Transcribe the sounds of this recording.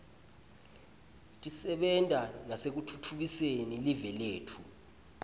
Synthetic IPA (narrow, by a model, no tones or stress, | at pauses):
tʼisɛɓɛntʼanasek̬utʰutʰuɓisenilivɛleːtʰu